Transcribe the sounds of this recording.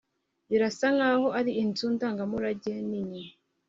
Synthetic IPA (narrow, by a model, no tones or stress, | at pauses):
jiɾasaŋaːhoʔaɾiʔintundaːŋɡamuɾaɟeniɲi